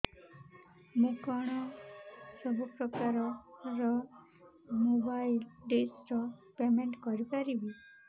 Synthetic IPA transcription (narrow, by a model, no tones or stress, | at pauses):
mũkɔɽ̃ɔ | sɔbʱupɾɔkaɾɔɾɔ | mobajlɖesɾɔpemeɳʈkɔɾipaɾibi